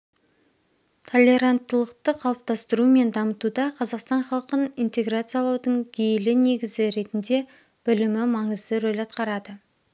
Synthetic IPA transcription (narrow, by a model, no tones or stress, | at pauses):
t̪ʰo̞lʲːe̞ɾant̪ːəlˠəqt̪əqʰɑlˠəp̚t̪ɑst̪əɾume̞nd̪ɑmət̪ud̪ɑqʰɑzɑqst̪ɑnχɑlˠqənint̪e̞ɡɾat̪sɨjɑlˠɑwd̪əɴɡʲejlɪne̞ɡʲɪzɪɾe̞t̪ɪnd̪e̞ | b̥ɪlɪmɪmɑɴəzd̪əɾojlɑt̪̚qɑɾɑd̪ə